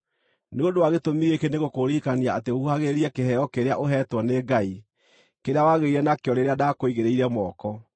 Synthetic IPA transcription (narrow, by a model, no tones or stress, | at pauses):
neondowaɣetomiɣekeneɣokoɾikaniaateuhaɣeɾiɛkeɦɛjɔkeɾea̰ʔoɦɛtwɔneɡai | keɾeawaɣeiɾɛnakeɔɾeɾeadakoiɣeɾeiɾɛmɔkɔ